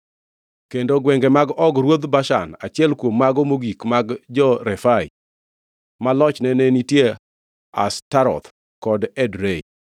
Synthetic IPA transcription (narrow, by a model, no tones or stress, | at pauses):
kendoɡwɛŋɡɛmaɡɔɡɾwod̪baʃa̰nat͡ʃɪɛlkwomːaɡɔmoɡikmaɡd͡ʒɔɾɛfaɪ̰ | malɔt͡ʃnɛnenitje | a̰staɾɔ̰t̪ | kɔdɛdɾej